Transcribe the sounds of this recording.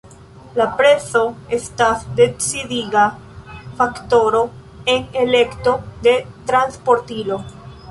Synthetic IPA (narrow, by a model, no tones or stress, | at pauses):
lapɾe̞so̞e̞stasd̪e̞t͡sidiɡa | fakto̞ɾo̞ | e̞ne̞le̞kto̞d̪e̞t̪ɾanspo̞ɾtilo̞